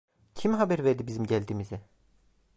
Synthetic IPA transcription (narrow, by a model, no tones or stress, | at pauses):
cʰimɦabæɾveɾd̪ibizimɟælʲd̪iːmizɛ